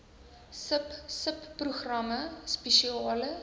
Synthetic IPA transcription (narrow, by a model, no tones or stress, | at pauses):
səpsəpːruχrɐməspeʃiɑːlə